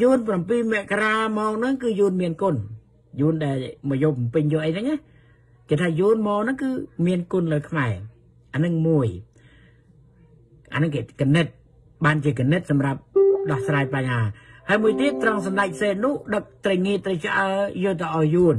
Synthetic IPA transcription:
juːənp̬rampiːmɛ̆əʔkaraːmɑːnɨŋkɨːjuːnmiənkʊən | juənɗaɛlmɔjoːmpɨɲjoːəʔəjnɨŋʔa | keːt̪ʰaːjuːnmaːnɨŋkɨːmiənkʊnləːkʰmaɛ | ʔanɨŋmuəj | ʔa̰nɨŋkeːkanɨt̪̚ | ɓaːnt͡ɕiəkanɨt̪̚sɑmrap̚ɗɑhsraːjpaɲhaːhaəjmuəjt̪iət̪ːrəŋsɑnɗac̚ʰseːt̪̚nʊ̆əhɗək̚t̪rəjŋiət̪rəjt͡ɕʔaəjʊəlt̪awʔaɔjjuən

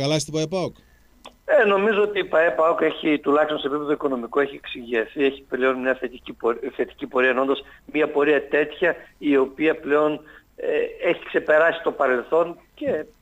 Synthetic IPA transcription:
kɐlɐst̪ipɐepɐok | eno̞mizo̞ot̪iːpɐepɐoke̞çit̪ulɐçst̪onsepipe̞ðoiko̞no̞mikoeçieksiʝiɐθieçi̥pleo̞nmɲɐθet̪iiθe̞t̪i̥cipo̞ɾiɐnond̪osmɐpo̞ɾiɐt̪e̞t̪çɐio̞piɐpleo̞n | eeçikse̞pe̞ɾɐsi̥st̪o̞pɐɾe̞lθo̞nce

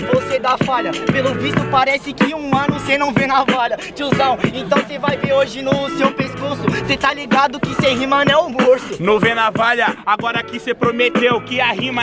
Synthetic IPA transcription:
vosed̪afaʎɐpelʊvist̪ʊpaɾɛsɪkɪũɐ̃nʊsenɐ̃w̃venɐvaʎɐt͡ʃɪuzɐ̃w̃ẽt̪ɐ̃w̃sevajveɾoʒɪnʊsewpeskuɾsʊset̪aliɡad̪ʊkɪseaɦĩmɐnɛʊmoɾsʊnõvenavaʎɐaɡɔɾɐkɪsepɾomet̪ewkɪaɦĩmɐ

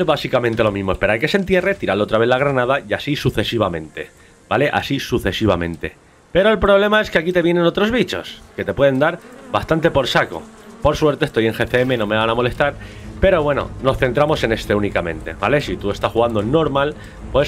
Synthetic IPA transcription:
βasikamẽnt̪elo̞mĩzmoespe̞ɾaɾke̞se̞nt̪̬je̞re̞t̪iɾalot̪ɾaβe̞laɣɾanaðajasisuθe̞siβamẽ̞nt̪e̞̰ | b̥ale̞ʔa̰sisuθe̞siβamẽ̞̰nt̪e̞̰ | pe̞ɾo̞e̞lpɾo̞βle̞mae̞skeakit̪e̞βje̞nẽ̞no̞t̪ɾo̞zβit͡ʃo̞̰ske̞t̪e̞pwe̞ð̞e̞nd̪aɾbast̪ant̪e̞po̞ɾsako̞̰ | po̞ɾswe̞ɾt̪est̪o̞je̞ŋxe̞θeeme̞no̞me̞βanamo̞le̞st̪aɾpe̞ɾo̞βwe̞no̞̰no̞sθe̞nt̪ɾamo̞se̞ne̞st̪e̞unikamẽ̞nt̪e̞̰βa̰le̞sit̪ue̞st̪asxuɣand̪onːo̞ɾmal | pwe

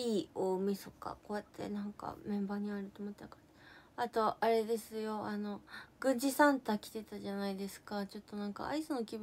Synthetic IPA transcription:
iːoːmisoka̰ko̞ːjat̪ʰːe̞̰nãŋka̰mẽ̞mbaːɲ̟iaɾɯ̟t̪oːmot̪ːeka | at̪o̞aɾe̞d̪e̞sɨjo̞ano̞ɡ̥ɯ̟̃ɲ̟d͡ʑisãnt̪aːkʲi̥t̪e̞t̪aʑanaid̪e̞sɨ̥kat͡ɕo̞t̪ːo̞nãŋka̰a̰isɨno̞kʲib

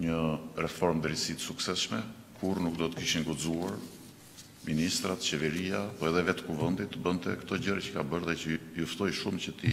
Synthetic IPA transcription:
ɲərɛfɔɾmd̪əɾisit̪ə̥suksɛsʃmɛkʰuɾnuk̚d̪ɔt̪ə̥kiʃiŋɡud͡zuaɾ | minist̪ɾat̪t͡ʃɛvɛɾiapɔɛðɛvɛt̪kuvənd̪it̪ːəbənt̪ɛ̰kt̪ɔɟəɾacə̥kabəɾðɛcəjuft̪ɔjʃumcət̪i

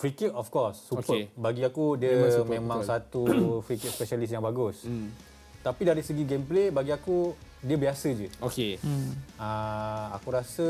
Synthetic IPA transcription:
fɾikətɔfkɔsːupkəbaɡiakudiəmẽmãŋsat̪ufɾikət̚spɛʃalis̬jaŋbaɡus | t̪apidaɾisəɡiɡemplebaɡiaku | diəbiasəd͡ʒəoke | əa̰kuɾasə

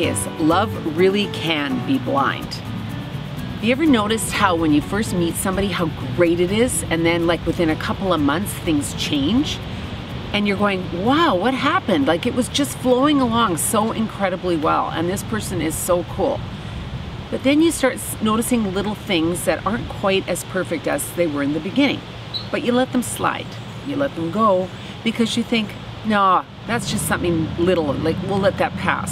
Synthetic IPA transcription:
eɪs | lʌvɹɪlˠikʰɨ̃nbiblã̰ɪ̃nd̥ | jɨɛvə˞noʊɾɨst̚haʊwə̃njɨfɜ˞st̚mitsʌ̃mbɑɾiɦaʊɡɹeɪɾɨɾɪzɨ̃nðɨ̃nlaɪkwɨθɪ̃ñɨkʰʌpl̩ˠʌvmʌ̃nθsθɪ̃ŋz̥t͡ʃʰẽɪ̃nd͡ʒ | ɨ̃njə˞ɡoʊɪ̃ŋwaʊwʌt̚ɦæpɨ̃ndlaɪkɨt̚wʌzd͡ʒʌstfloʊɪ̃ŋəlɔ̃ŋsoʊʔɨ̃nkʰɹ̥ɛɾɨbliwɛ̰lˠə̰̃nðɪspʰɜ˞sɨ̃nɪz̥soʊkʰṵlˠ | b̥ʌt̪̚ðɨ̃njɨstɑɹtsnoʊɾɨsɪ̃ŋlɪɾl̩ˠθɪ̃ŋzðɨɾʔɑɹ̃nkʰw̥aɪɾɨz̥pʰɜ˞fɨk̚tɨzðeɪwə˞ɨ̃nðɨbɨɡɪ̃nɪ̰̃ŋ | b̥ʌt͡ʃɨlɛt̪̚ðə̃m̩sla̰ɪt | jɨlɛt̪̚ðə̃m̩ɡoʊ | b̥ɨkʰʌzjɨθɪ̃ŋk | noʊ | ðætsd̥ʒ̥ʌstsʌ̃mθɪ̃ŋlɪɾl̩ˠlaɪkwilɛt̪̚ðɨt̚pʰæ̰s

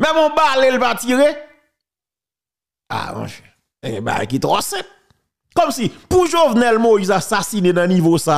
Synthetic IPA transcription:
mɛ̃mɔ̃balelpatiɣe | a̰mɔ̰̃ʒɛ | eɡɛ̰̃ba̰a̰jkit̪ɔsɛ̃t̚ | kɔmsipuʒovnɛlmoizasasinenɐ̃nivosa

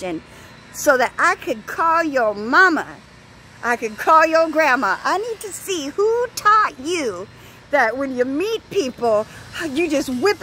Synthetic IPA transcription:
ɨ̃n | soʊðɨɾʔaɪkʰɨd̚kʰɔlˠjə˞mɑmə̰ | ʔaɪkɨd̚kʰɔlˠjə˞ɡɹæməʔaɪnid̚tʰɨsihutʰɔt͡ʃʉ | ðɨt̚wɨ̃njɨmit̚pʰipl̩ˠjɨd͡ʒʌst̚wɪð

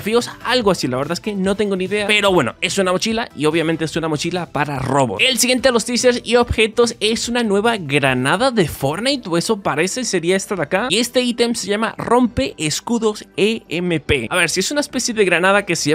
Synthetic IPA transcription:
fio̞salɣoasilaβe̞ɾðaeske̞no̞t̪e̞ŋɡoniðe̞ape̞ɾo̞βwe̞no̞̰e̞sunamo̞t͡ʃilaio̞βjamẽnt̪e̞esunamo̞t͡ʃilapaɾaro̞βo̞̰selsiɣje̞nt̪elost̪iseɾsio̞βxe̞t̪o̞se̞sunanwe̞βaɣɾanaðaðe̞fo̞ɾnajt̪e̞so̞paɾe̞seseɾiaest̪aɾakaie̞st̪e̞it̪emse̞ʝamaro̞mpe̞ʔeskuðo̞seeme̞pe̞aβe̞ɾsiesunaespe̞sje̞ðeɣɾanað̞ake̞seʝa

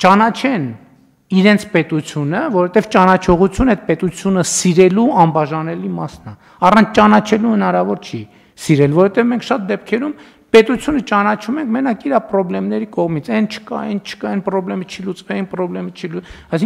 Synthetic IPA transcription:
t͡ʃɑnɑt͡ʃʰɛn | iɾɛnt͡sʰpɛt̪ut͡sʰjunəvɔɾhɛt̪ɛvt͡ʃɑnɑt͡ʃʰɔʁut͡sʰjunɛt̪̚pɛt̪ut͡sʰjunəsiɾɛluɑmbɑʒɑnɛlimɑsnɑ | ɑrɑnt͡sʰt͡ʃɑnɑt͡ʃʰɛluhənɑɾɑvɔɾt͡ʃʰi | siɾɛlvɔɾɔhɛt̪ɛvmɛŋkʰʃɑt̪̚d̪ɛp̚kʰɛɾum | pɛt̪ut͡sʰjunət͡ʃɑnɑt͡ʃʰumɛŋkʰmɛnɑkʰiɾɑpɾɔblɛmnɛɾikɔʁmit͡sʰɛnt͡ʃʰə̥kɑ̰ɛnt͡ʃʰə̥kɑɛnpɾɔblɛmət͡ʃʰilut͡svɛinpɾɔblɛmət͡ʃʰiluɑjsiŋ

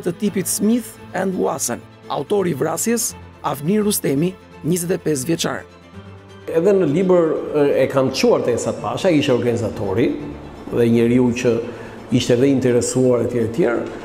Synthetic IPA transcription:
t̪ət̪ipit̪smiθɛ̃nd̪wasə̰n | a̰ut̪ɔɾivɾasjɛs | avniɾust̪ɛmi | ɲizɛt̪ɛpɛs̬vjɛt͡ʃa̰ɾ | ɛðɛnəlibəɾɛkanət͡ʃuaɾt̪ɛsat̪əpaʃakiʃt̪ɛɔɾɡanizat̪ɔɾiðɛɲəɾiucə | iʃt̪ɛðɛint̪ɛɾɛsuaɾɛt̪jɛɾt̪jɛɾ

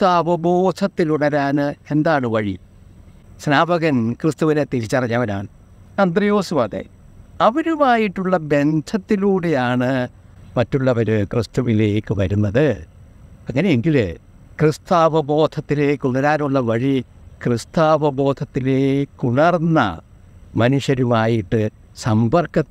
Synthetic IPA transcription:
st̪aʋɐbo̞ːd̪ʰɐt̪ːiluɳɐɾaːnɨe̞nd̪aːɳɨʋɐɻḭ | snaːbɐɣɐnkrɨst̪uʋinet̪iɾit͡ɕːɐrɐɲːɐʋɐnaːɳɨ | ɐnd̪rɐjo̞ːsuʋaːd̪ḛj | ɐʋɐɾumaːjiʈːuɭːɐbe̞ntʰɐt̪ːiluːɽe̞jaːɳɨ | mɐtːuɭːɐʋɐɾɨkrɨst̪uʋile̞ːkːɨʋɐɾunːɐðɨ | ɐŋːɐneeŋɡilɨ | krɨst̪aːʋɐbo̞ːd̪̥ʰʱɐt̪ːile̞ːkːuɳɐɾaːɾuɭːɐʋɐɻikrɨst̪aːʋɐbo̞ːd̪ʰʱɐt̪ːile̞ːkːuɳɐrnːɐ̰ | mɐnuʂjɐɾumaːjiʈːɨ | sɐmbɐrkɐ

